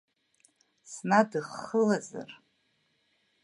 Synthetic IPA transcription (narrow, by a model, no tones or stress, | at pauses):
snadɨχːəlaza̰r